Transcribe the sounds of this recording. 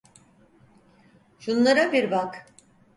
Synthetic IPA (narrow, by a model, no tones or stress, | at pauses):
ʃunlˠaɾabiɾbak